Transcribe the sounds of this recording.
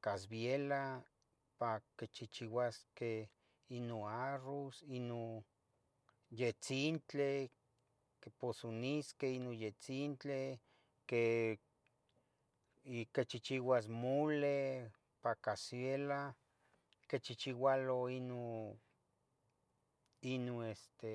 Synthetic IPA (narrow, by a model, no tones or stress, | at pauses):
kas̬bjela | paket͡ʃit͡ʃiwaske | inoarosino | jet͡sint͡ɬe | keposoniskeinojet͡sint͡ɬe | ke | ket͡ʃit͡ʃiwas̬mole | pakasjela | ket͡ʃit͡ʃiwaloino | inoest̪e